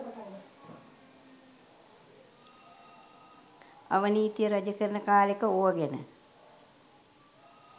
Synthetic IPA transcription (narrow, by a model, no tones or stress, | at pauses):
a̰ʋəniːt̪ijəɾad͡ʒəkəɾənəkaːlekəoʋəɡenə̰